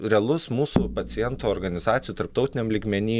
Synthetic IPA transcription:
ɾʲɛɐlˠʊssmuːsupɐt͡s̪ʲɪjɛnt̪oːoːɾɡɐnʲɪzɑːt̪ʲɪjuːt̪ɐɾp̚t̪ɐʊt̪ʲɪnʲɛmlʲiːɡmʲɛnʲiː

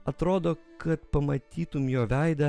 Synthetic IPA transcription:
ɐt̪ɾoːd̪oːkɐt̪pɐmɐt̪ʲiːt̪ʊmjoːʋʲæɪd̪ɐ

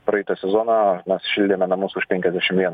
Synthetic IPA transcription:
pɾɐɛɪt̪ɐsʲɛzoːnɑmʲɛsʃʲɪlʲd̪ʲeːmʲɛnɐmʊsʊʃpʲɛŋʲkʲɛzʲd̪ʲæʃʲɪmʋʲiɛ

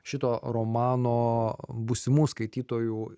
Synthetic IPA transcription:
ʃʲɪt̪oːɾoːmɑːnoːbʊsʲɪmuːskɐɪt̪ʲiːt̪oːjuː

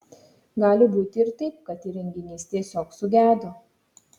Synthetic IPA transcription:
ɡɑːlʲɪbuːt̪ʲɪɾt̪ɐɪp̚kɐt̪iɾʲɛŋʲɡʲɪnʲiːst̪ʲiɛsʲoːksʊɡʲæːd̪o

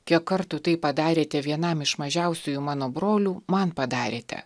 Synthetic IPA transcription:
kʲiɛkkkːɐɾt̪ʊt̪ɐɪpɐd̪ɑːɾʲeːt̪ʲɛʋʲiɛnɐmɪʃmɐʒʲɛʊsʲuːjumɑːnoːbɾoːlʲuːmɐnpɐd̪ɑːɾʲeːt̪ʲɛ̰

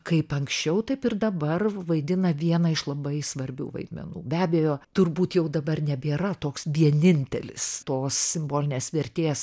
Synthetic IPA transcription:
kɐɪpɐŋksʲt͡ʃʲɛʊt̪ɐɪpɪrd̪ɐbɐrʋɐɪd̪ʲɪnɐʋʲiɛnɐɪʃlˠɐbɐɪsʋɐɾʲbʲṵːʋɐ̰ɪd̪ʲmʲɛ̰nṵːbʲæːbʲɛjoːt̪ʊrbuːt̪jɛʊd̪ɐbɐrnʲɛbʲeːɾɐt̪oːksʋʲiɛnʲɪnʲt̪ʲɛlʲɪ̰st̪oːssʲɪmboːlʲɪnʲeːsʋʲɛɾʲt̪ʲeːs

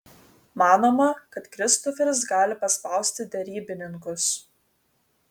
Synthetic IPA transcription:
mɑːnoːmɐkɐt̪kɾʲɪst̪ɔfʲɛɾʲɪs̬ɡɑːlʲɪpɐspɑˑʊsʲt̪ʲɪd̪ʲɛɾʲiːbʲɪnʲɪŋkʊs

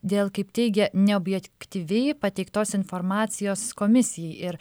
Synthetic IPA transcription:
d̪ʲeːlˠkɐɪpt̪ʲɛɪɡʲɛnʲɛoːbʲjɛkkt̪ʲiʋʲɛɪpɐt̪ʲɛɪkt̪oːsɪnfoːɾmɑːt̪sʲɪjoːskoːmʲɪsʲɪjɛɪɪɾ

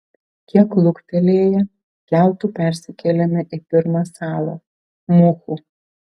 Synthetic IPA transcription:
kʲiɛklˠʊkt̪ʲɛlʲeːjɛ | kʲæˑlˠt̪uːpʲæɾʲsʲɪkʲɛlʲɛmʲɪʔɪpʲɪɾmɑsɑːlˠo̰ː | mʊxu

